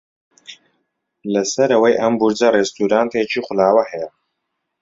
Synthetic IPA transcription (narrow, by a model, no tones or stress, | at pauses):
lɐsɐɾɐwɐjʔɐmbuɾd͡zɐrest̪uːɾaːnt̪ʰet͡ʃiːχʊlaːwɐhɛjɛ